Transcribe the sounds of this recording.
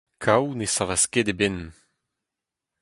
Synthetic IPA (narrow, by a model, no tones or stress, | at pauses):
kʰawnesavasked̪eben